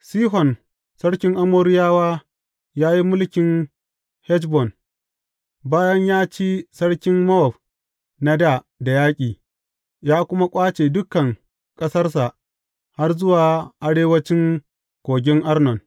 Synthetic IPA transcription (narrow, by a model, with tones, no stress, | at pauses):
siː˦ɦɔ˨n | sɐ˦ɽkʲɪ˦ŋʔa˦moː˦ɾɪ˦jaː˦waː˦ | jaː˦ji˦mʊ˦lkʲɪ˨ŋ | hɛ˦t͡ʃbɔ˨n | baː˦jɐ˦ɲjaː˦t͡ʃiː˦sɐ˦ɽkʲɪ˦mmɐ˦wɔ˨b | na˦da˦˨ | da˨jaː˦kʲʼiː˨ | jaː˦kʷʊ˦ma˦kʷʼaː˦t͡ʃeː˨dʊ˦kɐ˨ŋ | kʼɐ˦sɐ˦rs̬a˨ʔ | ha˦rzʊ˦waː˨ʔa˦ɽeː˦wɐ˦t͡ʃɪ˦ŋ | kʷoː˨ɡʲɪ˦ŋʔa˦rnɔ˨n